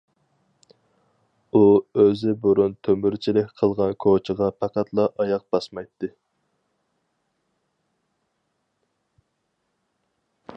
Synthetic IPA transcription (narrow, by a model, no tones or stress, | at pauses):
uøzɪboɾunt̪ʰømyɾt͡ʃʰilɪkʲqʰəlˠʁɑnkʰot͡ʃʰəʁɑpʰɑqæt̪ʰlˠɑʔɑjɑq̚bɑsmɑjt̪ːɨ